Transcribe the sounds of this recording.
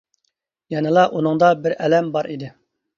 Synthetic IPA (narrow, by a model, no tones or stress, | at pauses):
jɛnɨlˠɑʔunɨŋd̪ɑbɪɾɛlɛmbɑɾʔid̪ɪ